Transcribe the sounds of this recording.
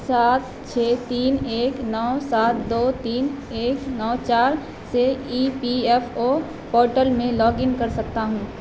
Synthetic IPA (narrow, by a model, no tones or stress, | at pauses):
saːt̪ | t͡ʃʰeːt̪iːneːknɔːsaːt̪ʰd̪oːt̪iːn | eːknɔːt͡ʃaːɾ | seiːpiɛfoː | pɔːɾʈəlmẽlɔːɡɪnkɐɾsɐk̚t̪aɦũː